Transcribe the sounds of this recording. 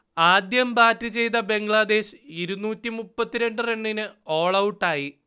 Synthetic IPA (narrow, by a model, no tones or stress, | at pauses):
aːd̪jɐmbaːtːɨt͡ɕe̞jt̪ɐbe̞ŋɡɭɐd̪e̞ːɕɨiɾunːuːtːimupːɐt̪ːiɾe̞ɳɖɨre̞ɳːinɨo̞ːɭɐwʈːaːji